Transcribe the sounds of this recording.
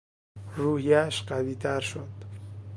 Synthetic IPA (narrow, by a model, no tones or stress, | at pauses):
ruːhiæʃɢæviːt̪ʰæɾʃod̪̥